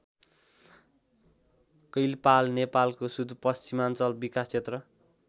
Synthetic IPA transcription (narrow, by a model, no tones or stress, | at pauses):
kʌjlpalnepalkosud̪ʱpʌst͡simant͡sʌlbikast͡sʰet̪rʌ